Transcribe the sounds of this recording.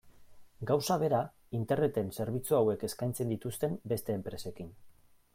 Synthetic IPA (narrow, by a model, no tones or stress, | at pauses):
ɡawsaβ̞e̞ɾa | int̪e̞rne̞t̪e̞nse̞ɾβit͡suawe̞ke̞skajnt͡se̞nd̪it̪ust̪e̞mbe̞st̪e̞ːmpɾe̞se̞kin